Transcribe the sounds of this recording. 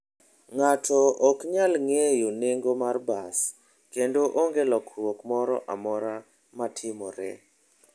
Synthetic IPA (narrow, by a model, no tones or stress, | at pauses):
ŋatʰɔʔɔkɲalŋejoneŋɡomarbas | kendoʔoŋɡelɔkrwokmɔɾɔʔamɔɾa | matʰɪmɔɾɛ̰